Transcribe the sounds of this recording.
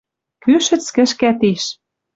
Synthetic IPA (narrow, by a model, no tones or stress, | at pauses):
kyʃɘ̆t͡skɘ̆ʃkæt̪iʃ